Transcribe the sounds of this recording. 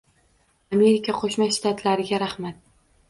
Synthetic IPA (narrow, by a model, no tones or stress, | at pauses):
ame̞ɾɪkʲʰaqʰoʃmaʃt̪at̪ʰlaɾɪɡʲaɾaχmat̪̚